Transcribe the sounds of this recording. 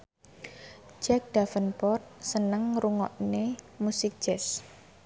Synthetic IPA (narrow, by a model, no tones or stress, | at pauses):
d͡ʒɛk̚d̪̥afənpɔrt̪̚sənəŋɾuŋɔ̰ʔnemusɪk̚ʒ̥ɛs